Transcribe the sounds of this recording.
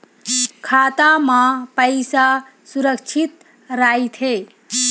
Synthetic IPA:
kʰaːt̪amãpəjsa | suɾəkt͡ʃʰit̪ | ɾait̪ʰɦe

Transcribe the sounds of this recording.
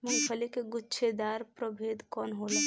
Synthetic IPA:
mubʰʱəlikeɡutːt͡ʃʰed̪aɾpɾəbʱed̪kɔnɦolɛ

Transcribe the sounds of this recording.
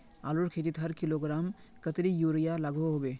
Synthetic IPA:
a̰ːluɾkʰeːt̪it̪ɦɐɾkɪloɡɾaːm | kət̪ɾijuːɾijalaɡoɦobeː

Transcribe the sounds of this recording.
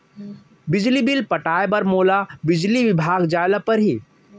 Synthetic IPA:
bɪd͡ʒlibilpəʈaːebɐɾmoːlabɪd͡ʒliʋɪbʱaːɡd͡ʒaːɪləpɐɾɦi

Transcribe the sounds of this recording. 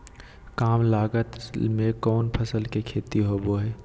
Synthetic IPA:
kaːmlaːɡət̪mẽkɔːnpʰəsəlkekʰeːt̪iɦoboɦɛː

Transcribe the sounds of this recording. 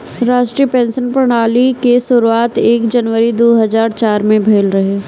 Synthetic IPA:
ɾaːʃʈɾiːəpɛ̃ːnsənpɾɐɽ̃aːlikesʊɾuaːt̪eːkd͡ʒɐnʋəɾid̪oːɦɐzaːɾt͡ʃaːɾmẽbʱeːlɾɐɦeː

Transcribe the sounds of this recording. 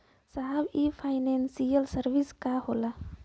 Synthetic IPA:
saɦbipʰaɪnensijəlsəɾʋiskaɦola

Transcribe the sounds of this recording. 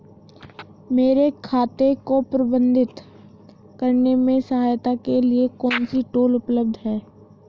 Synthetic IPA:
meːɾekʰaːt̪ekopɾəbə̃nd̪ʱɪt̪ | kəɾnemẽsəɦaːjt̪akeliekɔːnsiʈoːlʊpləb̚d̪ʱɦɛː

